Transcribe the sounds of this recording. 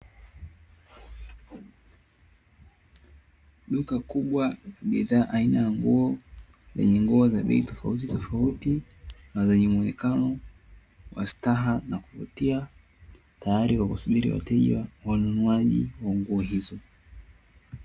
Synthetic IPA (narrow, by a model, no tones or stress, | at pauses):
ɗukakuɓwajaɓiðaːʔainajaŋɡuɔ | zɛ̰ɲɛŋɡuɔzaɓɛ̰itɔfa̰utitɔfauti | nazɛɲɛmuɔnɛkanɔ | wa̰staɦanakuvṵtia | tajaɾiwakusuɓiɾḭwa̰tɛʄwawanunuaʄḭwaŋɡuɔɦizɔ